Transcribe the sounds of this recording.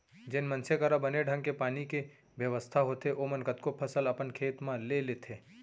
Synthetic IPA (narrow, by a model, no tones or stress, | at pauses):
d͡ʒɪnmɐnsekəɾabəneɖʱə̃ŋɡkepaːnike | ʋjəʋəst̪ʰaɦoːt̪eʔomənkət̪kopʰɐsəlɐpənkʰeːt̪mãleleːt̪ʰeː